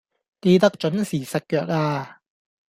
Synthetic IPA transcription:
ke˧jt̪̬ɐ˥k̚t͡ʃɵ˨˥nsiː˨˩sɐ˨t̚kœː˧k̚aː˧

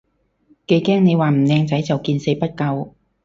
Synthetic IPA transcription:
ke˨˧jkɛː˥ŋne˨˧jwaː˨˩m̩˨˩nɛː˧ŋt͡sɐ˨˥jt͡sɐ˨wkiː˧nse˨˥jpɐ˥t̚kɐ˧w

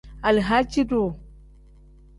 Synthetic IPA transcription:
a˨lɦa˦t͡ʃi˦do˨

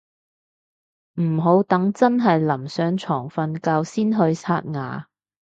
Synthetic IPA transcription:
m̩˨˩ɦo˨˥wt̪ɐ˨˥ŋt͡sɐ˥nɦɐ˨jlɐ˨˩msœː˨˧ŋt͡sʰɔː˨˩ŋfɐ˧nkaː˧wsiː˥nɦɵ˧ɥt͡sʰaː˧t̚ŋa̰ː˨

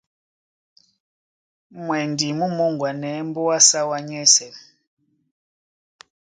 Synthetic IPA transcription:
mwɛ˨ndi˨mu˦mu˦ŋɡwa˨nɛ˨˦mbu˦wa˦sa˦wa˦ɲɛ˦sɛ˨

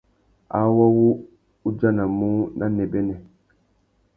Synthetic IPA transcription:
a˨˦wa˦wu˦ | u˦d͡ʒa˦na˨mu˦nʔa˦nɛ˨bɛ˦nɛ˨

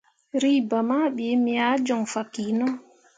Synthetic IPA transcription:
ɾi˦ba˨ma˦ɓe˨˦mi˨a˨˦d͡ʒɔ˨ŋfa˨ki˨nɔ˦

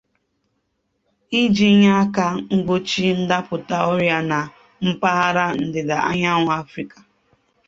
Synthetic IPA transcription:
i˦d͡ʒi˦ɲa˦a˦ka˦ŋ̩˦ɡ͡bo˦t͡ʃi˦n̩˦da˦pʊ˨ta˦ɔ˦ɾja˦na˨ | m̩˦pa˦ɦa˦ɾa˦n̩˨dɪ˨da˨ʔa̰˦ɲa˦ŋʷʊ˨a˦fɾi˦ka˨

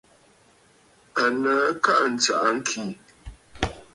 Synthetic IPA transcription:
ə˨nə˨˦ka˦ʔn̩˨t͡sa˨ʔa˦ŋ̩˦kʰi˨

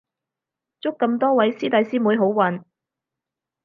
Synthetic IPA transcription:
t͡sʊ˥kːɐ˧mt̪ɔː˥wɐ˨˥jsiː˥t̪ɐ˨˥jsiː˥muː˨˥jɦo˨˥wwɐ˨˧n

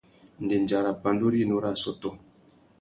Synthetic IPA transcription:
n̩˨de˨n˨d͡ʒa˨ɾa˨pa˨ndo˦ɾi˦˨no˦ɾa˦˨sɔ˦tɔ˦

